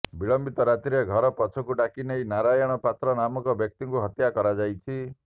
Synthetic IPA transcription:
biɭɔmbit̪ɔɾat̪ɾieɡʱɔɾɔpɔt͡ʃʰɔkuʈakinejnaɾajɔɽ̃ɔpat̪ɾɔnamɔkɔbjɔk̚t̪iŋkuɦɔt̪jakɔɾad͡ʒajt͡ʃʰi

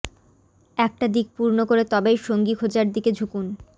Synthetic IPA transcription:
ɛk̚ʈad̪ik̚puɾnokoɾet̪ɔbejʃoŋɡikʰod͡ʑaɾd̪iked͡ʑʱukun

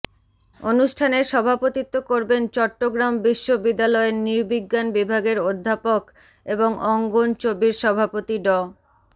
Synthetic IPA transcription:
onuʃʈʰaneɾʃɔbʱapot̪it̪ːokoɾbent͡ɕɔʈːoɡɾambiʃːobid̪ːalɔeniɾbiɡːanbibʱaɡeɾod̪ʱːapok | eboŋʔɔŋɡont͡ɕobiɾʃɔbʱapot̪iɖɔ

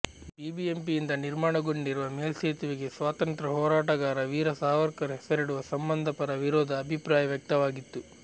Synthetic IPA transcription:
bibiempijind̪ɐniɾmaːɳɐɡo̞ɳɖiɾuʋɐmeːlseːt̪uʋiɡesʋaːt̪ɐnt̪ɾɐɦɔːɾaːʈɐɡaːɾɐʋiːɾɐsaːʋɐɾkɐɾɦɛsɐɾiɽuʋɐsɐmbɐnd̪ʱɐpɐɾɐʋiɾoːd̪ʱɐːbʱipɾaːjɐʋjɐk̚t̪ɐʋaːɡit̪ːu

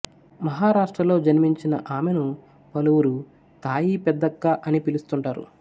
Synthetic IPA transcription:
mɐɦaːɾaːʂʈɾɐlo̞ːd͡ʒɐnmiɲt͡ʃinɐ̰ʔaːmenu | pɐluwuɾu | t̪aːjiːpɛd̪ːɐɡːaːʔɐnipilust̪uɳʈaːɾṵ

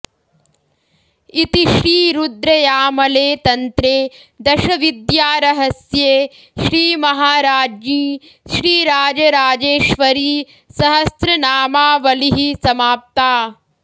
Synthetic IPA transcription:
it̪iʃɾiːɾud̪ɾɐjaːmɐleːt̪ɐnt̪ɾeːd̪ɐʃɐʋid̪jaːɾɐɦɐsjeː | ʃɾiːmɐɦaːɾaːd͡ʒniː | ʃɾiːɾaːd͡ʒɐɾaːd͡ʒeːʃʋɐɾiː | sɐɦɐsɾɐnaːmaːʋɐliɦisɐmaːp̚t̪aː

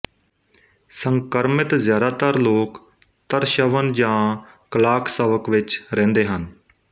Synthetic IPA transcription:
səŋkəɾmɪt̪zjaːd̪aːt̪əɾloːk | t̪əɾʃəʋənd͡ʒãː | klaːkʰseːʋəkʋɪt͡ʃɾɛ̃ːnd̪eːɦən

